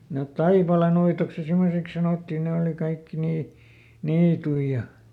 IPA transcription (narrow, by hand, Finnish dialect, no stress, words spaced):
net tɑipɑlenuitoks jɑ simːoseks sɑnoˑtːi neˑ oˑli kɑikːi niː niːtui jɑ